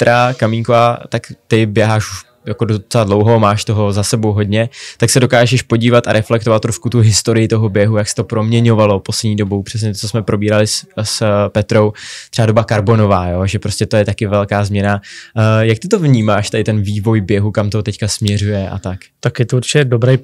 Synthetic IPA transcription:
t̪ɾakamiŋkovaːt̪akt̪ɪbjɛɦaːʃuʃ | jakodot͡sɛladlo̞wɦo̞maːʃt̪o̞ɦo̞zasɛbowɦo̞dɲɛt̪aksɛdo̞kaːʒɛʃpo̞ɟiːvat̪aɾɛflɛk̚t̪ovat̪ːɾoʃkut̪uɦɪst̪oɾɪjɪt̪oɦobjɛɦujaksɛ̥t̪o̞pɾo̞mɲɛɲo̞valo̞poslɛdɲiːdobowpr̥ɛs̬ɲɛt̪ot͡sosmɛpɾo̞biːɾalɪsspɛt̪ɾo̞wt̪r̥ɛado̞bakaɾbo̞no̞vaːjo̞ʒɛpɾoscɛt̪o̞jɛt̪akɪvɛlkaːzmɲɛnajak̚t̪ɪt̪o̞vɲiːmaːʃt̪ɛdɪt̪ɛnviːvo̞jbjɛɦukamt̪ot̪ɛckasmɲɛrujɛʔa̰t̪akt̪akjɛt̪ouɾt͡ʃɪcɛdobɾɛj

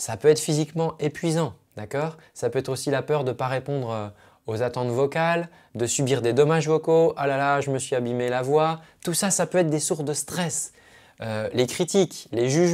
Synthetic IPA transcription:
sapøɛt̪χfizikmɑ̃epɥizɑ̃d̪̥akɔːʁ | sapøɛt̪χosilapœʁd̪əpaʁepɔ̃d̪ʁø | ozat̪ɑ̃t̪vɔkal | d̪əsybiʁd̪ed̪ɔmaʒvɔkoʔalalaʒəməsɥiabimelavwat̪usasapøɛt̪χd̪esuʁsd̪əst̪χɛs | ølekχit̪ikleʒyʒ

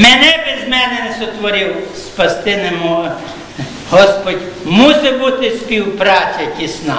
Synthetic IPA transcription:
mɛnɛbɪzmɛnɛnɛsɔt̪ʋɔɾʲɪwspɐst̪ɪnɛmɔ | ɦɔspɔdʲmusɛbut̪ɪsʲpʲiwpɾɑt͡sʲɐkʲisnɑ

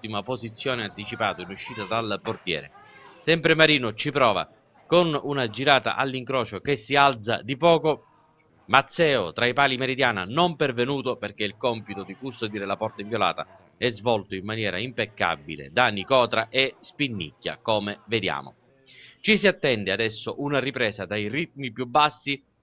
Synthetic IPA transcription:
t̪ːimapozit̪sːjɔːneant̪it͡ʃipaːt̪oinuʃːiːt̪ad̪alport̪jɛ̰ːɾḛ | sɛmpɾemaɾiːnʊt͡ʃipɾɔːva̰ | konunad͡ʒiɾaːt̪a̰ʔalːiŋkɾɔːt͡ʃokesːialt̪sa̰d̪ipɔːko | mat̪sːɛːot̪ɾaipaːlimeɾid̪jaːna̰nompervenuːt̪ʊperk̟eilkɔmpit̪ʊd̪ikust̪od̪iːɾelapɔrt̪aiɱvjola̰ːt̪a̰ | ɛzvɔlt̪oimːanjɛːɾa̰impekːa̰bːḭlḛd̪anːikɔːt̪ɾaʔespinːḭkːa̰kɔːmeved̪ja̰ːmʊ̰ | t͡ʃisiat̪ːɛnd̪ɪad̪ɛsːʊʔunaripɾɛːsad̪ajrit̪̚mipjubːasːi

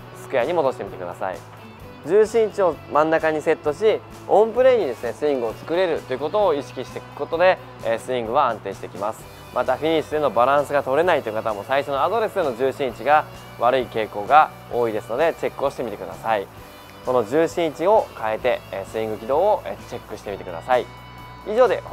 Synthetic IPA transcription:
sɨ̥kɯ̟jaɲ̟imo̞d̪o̞ɕi̥t̪emit̪e̞kɯ̟d̪asa̰ḭ | d͡ʑɨːɕĩɲ̟t͡ɕio̞mãnːakaɲ̟ise̞t̪ːo̞ɕi | õ̞mpɯ̟ɾe̞ɲ̟id̪e̞sɨne̞sɨĩŋɡɯ̟o̞t͡sɨ̥kɯ̟ɾe̞ɾɯ̟t̪ːo̞jɯ̟ko̞t̪o̞ːiɕi̥kʲiɕi̥t̪e̞kɯ̥ko̞t̪o̞d̪e̞ | sɨĩŋɡɯ̟βaãnt̪e̞ːɕi̥t̪e̞kʲimasɨ̥ | mʔat̪aɸʲiɲ̟isid̪e̞no̞baɾãɰ̃sɨɡat̪o̞ɾe̞nait̪o̞jɯ̟kat̪amosaiɕo̞noad̪o̞ɾe̞sɨd̪e̞no̞ʑɨːɕiɲ̟it͡ɕiɡa | βaɾɯ̟ike̞ːko̞ːɡa | o̞ːid̪e̞sɨno̞d̪e̞t͡ɕe̞kːɯ̟o̞ɕi̥t̪e̞mʲit̪e̞kɯ̟d̪a̰sai | so̞no̞ʑɨːɕiɲ̟it͡ɕio̞kae̞t̪e̞sɨĩŋɡɯ̟kʲid̪o̞ːoʔet͡ɕe̞kːɯ̟ɕi̥t̪e̞mit̪e̞kɯ̟d̪a̰sai | iʑo̞ːd̪e̞

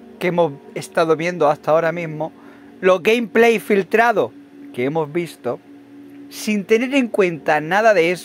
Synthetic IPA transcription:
kemo̞zest̪aðoβje̞nd̪oast̪ao̞ɾamĩzmo | lo̞ɣejmple̞jfilt̪ɾaðo̞ | ke̞emo̞zβist̪o̞ | sint̪e̞neɾe̞ŋkwe̞nt̪anaðaðe̞es

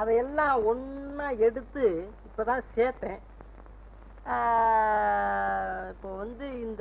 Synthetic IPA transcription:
ɐðɐɛlːãːɔɳːɐɛɽɯt̪ːɯɪpːoːt̪ãːseːt̪ːẽː | ɪpːoʋɐnd̪ɯɪnd̪

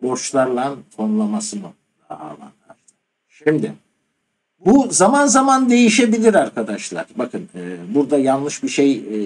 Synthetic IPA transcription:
bo̞ɾt͡ʃlˠaɾlˠant̪ʰo̞nlˠamasɯmɯ | d̪a̰a̰lˠa̰nd̪ˠaɾ | ʃimd̪ɪ | buzamanzamand̪e̞jiʃe̞bilʲiɾaɾkʰad̪aʃlˠa̰ɾ̥bakʰɯnɯːbuɾd̪ajanlˠɯʃbiʃe̞j

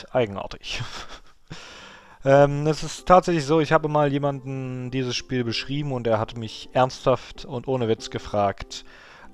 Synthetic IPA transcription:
ʔaɪɡŋ̩ʔa̰ːɐtɪ̥ç | ʔɛːmɛsɪsttʰːaːtz̥ɛçlɪçz̥oːɪçhaːbəmaːljeːmandn̩diːzəsʃpiːlbəʃʁ̥iːbm̩ʊnteːɐɦatmɪçʔɛɐnsthaftʊntʔoːnəvɪt͡sɡ̥əfʁ̥aːkt

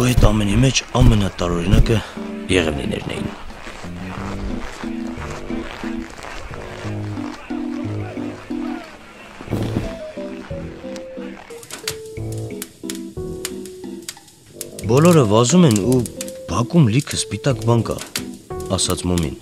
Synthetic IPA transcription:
ɔhɛt̪ɑmɛnimɛt͡ʃʰɑmɛnɑt̪ɑɾɔɾinɑkəjɛʁɛvnḭnɛ̰ɾnɛ̰jḭn | bɔlɔɾəvɑzumɛnubʱɑkumlikʰəspit̪ɑkbɑŋkɑ̰ | ɑsɑt͡sʰmɔmḭn

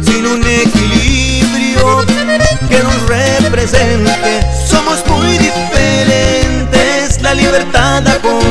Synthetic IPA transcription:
sinunekili | βɾjo | kenunrepɾese̞nt̪e̞so̞mo̞zmujðifeɾent̪eslaliβe̞ɾt̪aðako

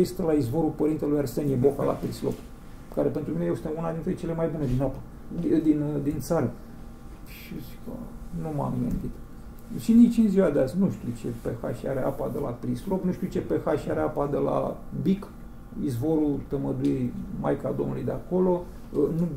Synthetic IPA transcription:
est̪elaizvo̞ɾupəɾint̪elujaɾsenijebo̞ka̰la̰pɾislo̞̰p | kaɾe̞pe̞nt̪ɾuminejest̪eunad̪int̪ɾejt͡ʃe̞lemajbune̞d̪inapḁ | d̪ind̪int̪saɾə | ʃisikə̰numa̰mɡɨnd̪it̪ | ʃinnit͡ʃɨnziwad̪east̪nuʃt̪it͡ʃe̞pexa̰ʃiaɾea̰pad̪e̞̰la̰pɾislo̞pnuʃt̪ʲiut͡ʃe̞pexaʃiaɾeapad̪ela̰bik | izvo̞ɾult̪əməd̪ujema̰jka̰ld̪omnulujd̪eako̞lo̞ | nu

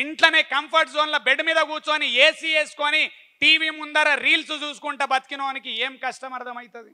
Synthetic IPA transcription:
iɳʈlɐneːkɐmpʰɐɾʈzoːnlɐbeɖmiːd̪ɐkuːt͡ʃoːnieːsieːsu̥koːni | ʈiːʋiːmund̪ɐɾɐɾiːlsut͡ʃuːsu̥kuɳʈeːbɐt̪i̥kinoːnikieːmkɐʂʈɐmɐɾɐd̪ɐmɐjit̪ɐd̪i

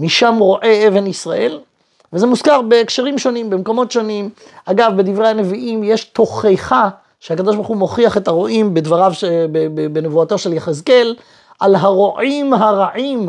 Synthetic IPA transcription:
miʃamʁo̞ʔe̞e̞ve̞nisʁaʔe̞l | vezemuskaʁbe̞ːkʃeʁimʃo̞nimbemko̞mo̞tʃo̞nim | aɡavbe̞d̪ivʁehane̞viʔimje̞ʃto̞χejχa | ʃehakad̪o̞ʃ̬baʁχumo̞χiaχe̞t̪aʁo̞ʔimbedvaʁavʃebebebenevuat̪o̞ʃe̞ljaχezke̞l | ʔalɦaʁoʔimɦaʁaʕim

